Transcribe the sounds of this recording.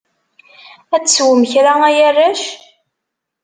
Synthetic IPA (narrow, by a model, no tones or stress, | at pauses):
æt͡sːswəməçɾaæjærːæʃ